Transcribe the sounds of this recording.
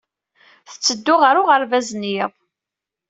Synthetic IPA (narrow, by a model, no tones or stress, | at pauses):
θə̥t͡sːəd̪ːʊʁəɾʊʁəɾvæznjiðˤ